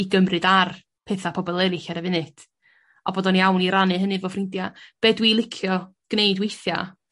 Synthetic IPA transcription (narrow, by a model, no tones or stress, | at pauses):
iɡəmrɨdar | pʰeːθapʰɔbɔlˠɛlɨɬaɾəvɪnɨtʰ | ɔboːdɔniawniɾanɨɦənɨvofrɪndjab̥eːdwiːlˠɪkʰjɔ | ɡ̥nejdwejθja̰